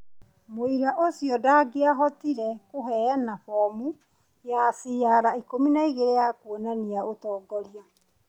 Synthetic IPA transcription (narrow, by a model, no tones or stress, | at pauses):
moiɾaʔosjɔdaːɡeaɦɔtiɾɛkoɦɛnaɸɔmu | jasijaɾaikominaiɣeɾejakuonaniaʔotɔːɡɔɾia